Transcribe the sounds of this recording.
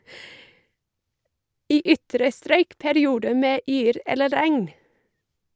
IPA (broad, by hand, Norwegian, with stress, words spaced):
ˈiː ˈʏtɾə ˈstɾœʏk pæɾɪˈuːdə ˈmeː ˈyːɾ ˈɛlə ˈɾæŋn